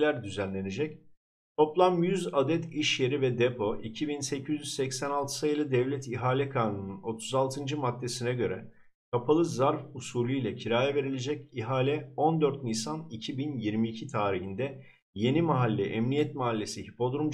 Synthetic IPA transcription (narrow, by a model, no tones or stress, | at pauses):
lʲæɾd̪yzænlʲe̞ne̞d͡ʒɛc | t̪ʰo̞plˠamjyzad̪ɛt̪ʰiʃje̞ɾivɛd̪ɛpʰo̞ʔicʰibinsɛcʰyzʲjyz̥sɛcsænalˠt̪ʰɯ̥sajɯlˠɯd̪ɛvlʲɛt̪ʰiɦaːlʲɛkʰanununo̞t̪ʰu̥zalˠt̪ʰɯnd͡ʒɯmad̪ːe̞sinɛɟø̞ɾɛ | kʰapʰalˠɯzaɾfusuːlʲijlʲɛcʰiɾaːjave̞ɾilʲe̞d͡ʒɛciɦaːlʲɛo̞nd̪øɾt̪nisanicʰibinjiɾmiːcʰit̪ʰaːɾihind̪ɛ | je̞nimaɦalʲːɛʔɛmnijɛt̪maɦalʲːe̞sihipʰo̞d̪ɾum